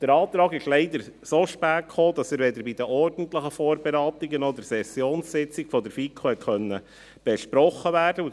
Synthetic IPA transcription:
d̥əɾɑːt̪ɾɑːɡɪʃlɛɪd̪əɾsoːʃpæːkχoːd̥ɑsəɾvɛdəɾbid̪əʔɔrd̥n̩tləχəfoːɾbɛɾɑːt̪iɡənɔdəɾsɛsjoːnssɪt͡sɪɡ̥fɔdəɾfikχohɛt̚kχœnːə | b̥ɛʃpɾɔχːəvæːrd̥əu

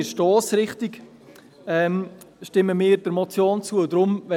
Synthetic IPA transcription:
ʃtɔːsɾɪχtɪɡ | ɛːm | ʃtɪməmɪːɾdəɾmɔt͡sjoːnt͡suədɾʊmvɛ

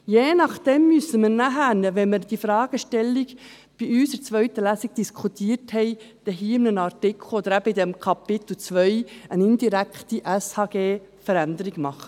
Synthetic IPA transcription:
jeːnɑχd̥ɛmːysəməɾnæɦænəʋɛnməɾd̥ifɾɑːɡ̥əʃtɛlːiɡ | b̥iyːsəɾt͡sʋœɥt̪əlæsiɡ̥̚d̥iskʰut̪iːəɾthɛɪ | d̥ɛɦiːɪmnənɑɾtɪkʰl̩od̪əɾæb̥əid̪ɛmkʰɑpɪt̪l̩t͡sʋœʏənɪnd̪iɾækχt̪iʔɛshɑːɡ̥eː | fəɾænd̪əɾiɡmɑχə̥

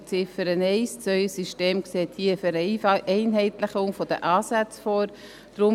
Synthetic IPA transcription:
t͡sɪfəɾənɛɪst͡sœʏəsiʃteːmkseːthiːəfɛɾɛɪnɦɛɪtləχʊŋfɔd̥ə̰ʔɑːsæt͡sfɔːɾ | d̥ɾʊ

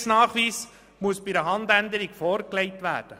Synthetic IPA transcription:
snɑːχʋiːs | muəsb̥ɪdəɦɑnd̪ænd̪əɾiɡfɔːɾklɛɪtʋæ̰ːd̥ə

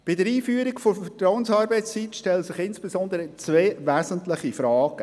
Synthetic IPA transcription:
b̥ɪdəɾiːfyːəɾikfofətɾaʊwənsɑːɾbɛɪst͡siːt̪ʃtɛləsɪχɪnsb̥ezɔnd̪əɾət͡sveːʋæsəntlɪχifɾɑːɡ̥ə

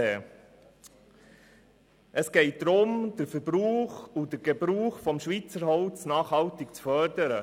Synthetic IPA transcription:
ɛː | ʔəsɡ̥ɛɪt̚d̥̪ɾʊmd̥əɾfəɾb̥ɾuːχudəɾɡ̥ebɾuːχfɔmʃʋiːt͡səɾɦɔʊt͡snɑːχhɑltɪkt͡sfœɾdəɾə

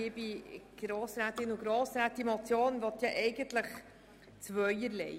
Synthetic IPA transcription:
ibiɡ̥ɾoːsɾæːt̪ɪnʊɡɾoːsɾæːt̪ːimɔt͡sjoːnvɔt̪jɑʔɛɪɡəntləχ | t͡sʋœʏəɾlɛ̰ɪ

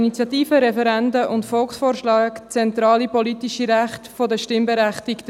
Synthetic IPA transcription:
init͡sjɑtiːfəɾɛfɛɾændəʔʊntfɔlksfoːɾʃlaːkt͡sɛntɾɑːlipɔlitiʃiɾæχtfodəʃtɪmbeɾæχtikt

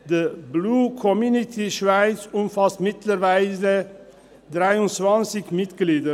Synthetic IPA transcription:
dəbluːkʰɔmjuːnitʰiʃvaɪt͡sʊmfastmɪtləɾvaɪze | dʁaɪʊnt͡sv̥ant͡sɪçmɪtɡ̥liːdə

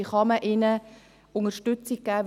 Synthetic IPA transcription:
ɪχɑməʔɪnə | ʊŋəʃtʏt͡sik̚kæːʋ

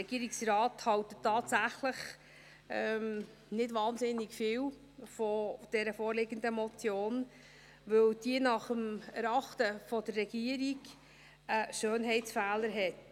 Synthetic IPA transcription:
ɛɡiəɾɪksrɑːthɑwtətʰːɑːtsæχləχ | ɛm | nɪdʋɑːnzɪnːɪɡfɪːw | fod̥ɛɾəfɔːɾlɪɡəndəmɔt͡sjoːn | ʋɵwd̥iənɑχəmɛɾɑχtəfɔdərːɛɡ̥iəɾiɡ | əʃøːnɦɛɪtsfæːləɾɦɛt

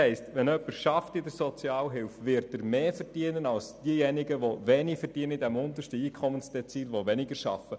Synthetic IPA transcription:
ɛɪstʋɛnœpəɾʃɑftid̪əɾsɔt͡siɑːlɦɪlfʋɪɾtəɾmeːfəɾd̥iənənɑlsd̥iəjɛnɪɡəʋoʋɛnɪfərd̥iənəidæmʊnt̪əʃtəiːkʰχɔmənsd̥̪ɛt͡siːlʋoʋɛnɪɡəɾʃɑ̰fə

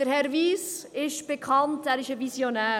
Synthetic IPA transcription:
əɾhɛɾviːsɪʃb̥ekʰɑntæːɾɪʃəvisjonæː

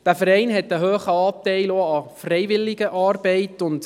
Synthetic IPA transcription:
d̥æːfəɾɛɪnɦɛtəɦøːχəɑːtɛɪloɑfrɛjʋɪlːɪɡəʔɑːrbɛɪtʊnt

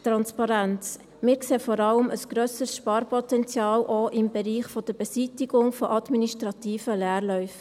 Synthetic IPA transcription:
tɾɑnspɑɾænt͡s | mɪːɾkseːfɔɾɑləməsɡ̥ɾœsəsʃpɑːɾpʰɔtɛnt͡sjɑːlʔoʔɪmbɛɾiːχfɔd̥əb̥ɛsitɪɡ̥ʊŋfɔʔɑd̪miniʃtɾɑt̪iːfəlɛːɾlœʏf

